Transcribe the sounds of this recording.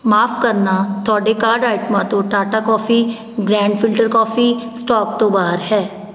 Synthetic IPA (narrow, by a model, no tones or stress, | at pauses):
maːfkəɾnat̪ʰɔːɖekaːɾɖaːɪʈmãt̪õʈaːʈakɔːfʰi | ɡɾɛ̃ːɳɖfʰɪlʈəɾkɔːfisʈɔːk̚t̪õbaːəɾɦɛː